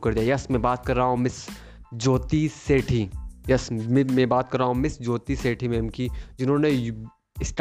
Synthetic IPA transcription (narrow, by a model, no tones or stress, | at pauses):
kɐɾd̪ijajɐsmẽbaːt̪̚kɐɾːaaõmɪs | d͡ʒoːt̪iːseːʈʰijɐsmẽbaːt̪̚kɐɾːaːaõmɪsd͡ʒoːt̪iːseːʈʰimẽːmkid͡ʒɪnɦõːnej | ɪsʈ